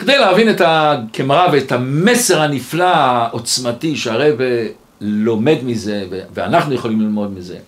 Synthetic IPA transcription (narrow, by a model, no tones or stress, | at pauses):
kedejleavinetakemʁaveːtamese̞ʁhaniflaaʔot͡smatiʃeaʁejve | lo̞me̞dmize̞vevea̰naχnujeχo̞limlilmo̞d̪mize̞̰